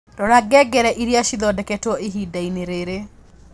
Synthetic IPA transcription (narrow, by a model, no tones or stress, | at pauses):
dɔɾaɡɛɡɛɾɛʔiɾjaʃiðɔdɛkɛtɔʔeɦidaineɾeɾe